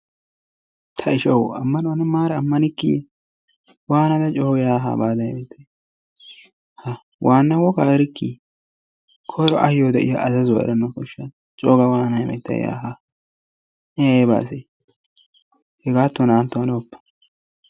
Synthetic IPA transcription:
t̪ʰɐɪʃɐwɐmːɐnɔɐnɛmaːɾɛɐmːɐnɪkːḭ | waːnɐd̪ɐt͡ʃʼoːjaːɦa̰baːd̪ɐjɛmɛt̪ːɐj | hɐ | wʔaːnːɐwɔkaːɾɪkːḭ | kʰɔjɾɔʔɐhɪjod̪ɛʔɪjaʔɐzɐzʊwɐʔɛ̰ɾɛnːɐkɔʃːɐn | t͡ʃʼoːɡɐwaːnɐjɛmɛ̰t̪ːɐ̰j̰ja̰ːɦa | nɛjjba̰ːse | hɛɡaːt̪ːɔnaːnt̪ːɔɐnoɔpːɐ̥

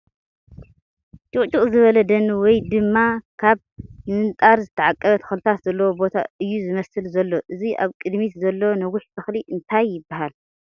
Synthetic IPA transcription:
t͡ʃʼuχʼt͡ʃʼuχʼzɨβɐlɐd̪ɐnːɨwɔjd̪ɨmːakʰaβ | nɨnt̪ʼaɾzɨt̪ʰɐʕakʼːɐβɐt̪ʰɐ̥xlt̪ʰat̪zɐlːɐwobo̞t̪ʰa̰ʔɨjːuzɨmɐsɨlzɐlːo̞ʔɨziʔa̰βkʼɨd̪mit̪zɐlːonɐɡʊħb̪ʰɐxliʔɨnt̪ʰajːɪbːahal

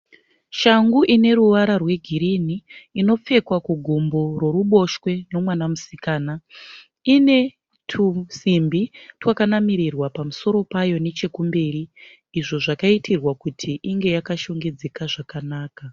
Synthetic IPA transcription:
ʃaŋɡuʔine̞ɾuʋaɾarwe̞ɡʱiɾiniːno̞p͡fe̞kwakuɡʱombo̞ro̞ɾuɓo̞ʃwe̞no̞mwanamusikaːna | ine̞ | tʰusimbitwakanamiɾirwapamuso̞ɾo̞pajo̞ne̞t͡ʃe̞kumbeːɾiː | ʐo̞ʐakaitʰirwakutʰiʔiŋɡe̞jakaʃo̞ŋɡe̞d͡zekaʐakanaːka

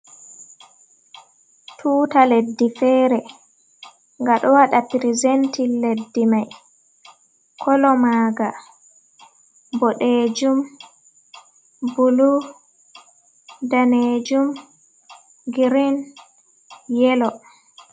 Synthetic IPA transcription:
tʰuːtaledːifɛːɾɛ | ŋɡaɗɔwaɗapiɾizentilːedːimaj | kʰɔlɔmaːɡa | bɔɗed͡ʒum | bulu | daned͡ʒum | ɡiɾin | jɛlɔ

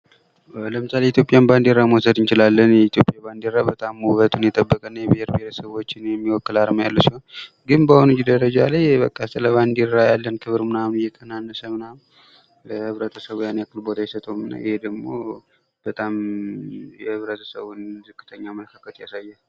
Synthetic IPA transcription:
ləmɨsaleit̪ʰjo̞pʼjanband̪iɾamwosəd̪ɨnt͡ʃɪlalːənjɛit̪ʰjopʼjaband̪iɾːabət̪ʼamːuβət̪ʰʼunjɛt̪ʼəbːəkʼənːajɛbɪheɾbɪeɾəsəβo̞t͡ʃːɪnjɛmːiwɔkːɨlaɾmjalːusihon | ɡɨnbahonɨd͡ʒid̪əɾəd͡ʒalajbəkʼːasɨləβand̪iɾːajalːənkʰɨβɨɾmɨnamnjɛk̪ʰʼənanːəsəmɨnam | ləhɨβɾət̪ʰəsəβojanjakːɨlbo̞d̪ʰajɛsət̪ʼəmɨnːa̰jɪhed̪əɡmo̞̰ | b̥ət̪ʼam | jɛhɨβɾət̪ʰə̥sə̰βunzɨkːɨ̥t̪ʰəɲːamələkʰakʰət̪ja̰sajːa

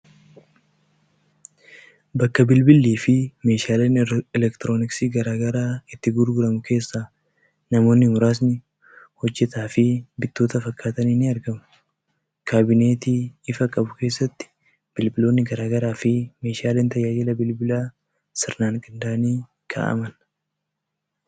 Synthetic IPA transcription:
bɐkːɐbɪlbɪlːiːfɪme̞ːʃaːle̞ːnɛlɛkt̪ɪɾo̞ːnɪksiːɡɐɾaːɡɐɾaːɪt̪ːɪɡʊɾɡʊɾɐmʊke̞ːsːaː | nɐmo̞ːnːɪmʊɾaːs̬nɪ | hɔd͡ʒːɛt̪aːfɪbɪt̪ːo̞ːt̪ɐfɐkʰːaːt̪ɐniːnɪɐɾɡɐmʊ̥ | kʰaːbɪne̞ːt̪iːɪfɐkʼɐbʊke̞ːsːɐt̪ːɪ̥ | b̥ɪlbɪlo̞ːnːɪɡɐɾaːɡɐɾaːfɪme̞ːʃaːleːnt̪ɐjaːd͡ʒɪlɐbɪlbɪlaː | sɪɾnaːŋkʼɪnd̪aːniː | kʰa̰ːʔɐ̰mɐn

